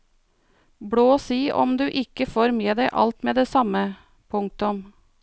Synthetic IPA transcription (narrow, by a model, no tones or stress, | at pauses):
bɽoːsiːʔɔ̰md̪ʉːʔɪkəfoːɾmeːd̪æɪʔɑ̰lt̪meːd̪eːsɑmə | pʰʊŋk̚t̪ʊm